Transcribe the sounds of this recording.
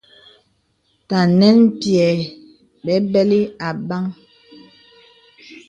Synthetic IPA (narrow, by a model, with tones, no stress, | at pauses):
ta˨nɛ˦npjɛ˨ | bɛ˨˦bɛ˦li˦a˨ba˦ŋ